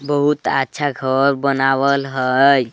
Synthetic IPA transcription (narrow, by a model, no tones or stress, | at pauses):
bəɦut̪a̰tːʃʰaɡʱəɾbənawəlɦəj